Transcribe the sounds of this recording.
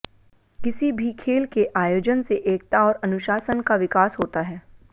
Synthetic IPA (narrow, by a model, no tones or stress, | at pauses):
kɪsibʱikʰeːlkeʔaːjoːd͡ʒənseʔeːk̚t̪aɔːɾɐnʊʃaːsənkaʋɪkaːsɦoːt̪aɦɛː